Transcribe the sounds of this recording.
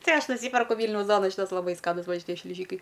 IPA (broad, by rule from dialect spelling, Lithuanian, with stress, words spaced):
ˈtɐɪ ˈɐʃ nʊˈsʲiːpʲɛrkʊ ˈʋʲiːlʲnʲɛʊs ˈduɔnɐ ˈʃʲiːtɐs lˠɐˈbɐɪ ˈskɑːnʊs ˈʋɐ ʃʲɪˈtʲiɛ ʃʲlʲɪˈʒʲiːkɐɪ